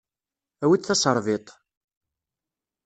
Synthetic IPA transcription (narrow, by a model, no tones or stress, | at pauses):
æwiθɑsˤəɾˤvɪt̪ˤ